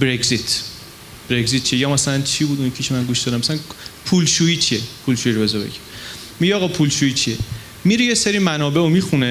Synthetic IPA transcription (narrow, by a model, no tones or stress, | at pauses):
bɾeɡzit̪ʰ | b̥ɾeɡzit̪̚t͡ʃiejɒːmæsælænt͡ʃʰibuːd̪unjecʰkʰiʃʰemænɡuʃd̪ɒd̪æmæsælænpʰulʃuit͡ʃʰiepʰulʃuːjiɾobezɒbḛɟi | miɟɛɒːɣɒːpʰulʃuit͡ʃʰie | miɾijeseɾimænɒːbe̞omixune